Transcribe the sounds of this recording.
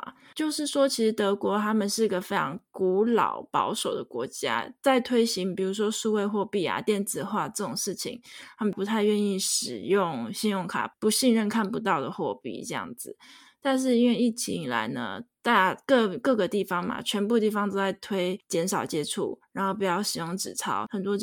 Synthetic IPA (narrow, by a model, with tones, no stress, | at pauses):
t͡ɕjo˥˧ʊʂɻ̩˥˩ʂwɔ˥t͡ɕʰi˧˥ʂɻ̩˧˥t̪ɤ˧˥kwɔ˧˥t̪ʰa˥mə˨nʂɻ̩˥˩i˧˥ɡə˨fe˥ɪʈ͡ʂʰɑ˧˥ŋku˧˥lɑ̰˨˩ʊpɑ̰˧˥ʊʂo˨˩ʊd̪ə̰˦kwɔ̰˧˥t͡ɕja̰˥t͡sa˥˩ɪt̪ʰwe˥ɪɕi˧˥ŋpi˨˩u˨˧˥ʂ̬wɔ˥ʂu˥˧we˥˧ɪxwɔ˥˧pi˥˩a̰˨˩t̪jɛ˥˧nt͡sɹ̩˥˩xwa˥˧ʈ͡ʂɤ˥˩ʈ͡ʂo˨˩ŋʂɻ̩˥˩t͡ɕʰḭ˨˩ŋt̪ʰa˥mə˨npu˧˥t̪ʰa˥˧ɪɥɛ˥˧ni˥˩ʂɻ̩˨˩jʊ˥˩ŋɕi˥˧njʊ˥˩ŋkʰa̰˨˩pu˧˥ɕi˥˧nɻə˥˧nkʰa˥˩npu˧˦t̪̬ɑ˥˩ʊd̪ə˩xwɔ˥˧pḭ˥˩ʈ͡ʂɤ˥˧jɑ̰˥˩ŋd͡zɹ̩˨˩ | t̪a˥˧nʂ̬ɻ̩˥˩i˥nwe˥˧i˥˩t͡ɕʰḭ˧˥i˨˩la̰˧˥ɪnə̰˧t̪a˥˧˩kɤ˥˧kɤ˥˩ɡə˩t̪i˥˩fɑ˥ŋma̰˨t͡ɕʰɥɛ˧˥npu˥˧t̪i˥˩fɑ˧˥ŋt͡so˥˧t͡sa˥˩ɪt̪ʰwe˥ɪt͡ɕjɛ˧˥nʂɑ˨˩ʊt͡ɕjɛ˥ʈ͡ʂʰṵ˥˩ɻa˧˥nxo˥˩ʊpi˨˩jɑ˥˩ʊɕi˨˩jo˥˩ŋʈ͡ʂɻ̩˨˩t͡sʰɑ˥ʊxə˨˩nt̪wɔ˥